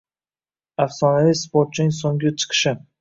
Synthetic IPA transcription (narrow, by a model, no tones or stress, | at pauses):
afsɒnalispoɾt̪̚t͡ʃʰɪnɪŋʲsoŋʲɪt͡ʃʰɨ̥qʰɨ̥ʃɪ